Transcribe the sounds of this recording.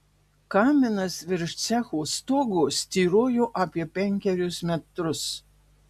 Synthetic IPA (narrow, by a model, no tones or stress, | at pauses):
kɑːmʲɪnɐsʋʲɪɾʃt̪sʲɛxuːst̪oːɡuːsʲt̪ʲiːɾoːjʊʔɑːpʲiɛpʲɛŋʲkʲɛɾʲʊsmʲɛt̪ɾʊs